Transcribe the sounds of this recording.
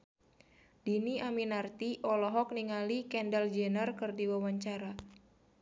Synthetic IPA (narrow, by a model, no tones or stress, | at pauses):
d̥iniaminart̪iʔɔlɔɦɔk̚niŋalikɛndald͡ʒɛnərkɨrdiwawaɲt͡ʃaɾa